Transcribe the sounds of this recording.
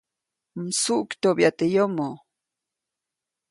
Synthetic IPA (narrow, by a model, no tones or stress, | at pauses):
n̩suʔkt̪objat̪ejomo